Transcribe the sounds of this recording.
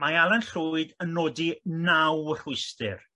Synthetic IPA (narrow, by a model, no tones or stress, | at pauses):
majalˠɛnɬuɨdənːoːdinawr̥ʊɨstɪ̰r